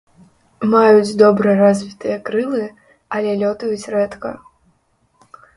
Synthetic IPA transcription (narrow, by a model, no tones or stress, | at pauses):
majut͡sʲd̪ɔbɾɨjɐɾazʲvʲit̪ɨjɐkɾɨlˠɨ | ɐlʲɛlʲɔt̪ujut͡sʲrɛt̪kɐ̰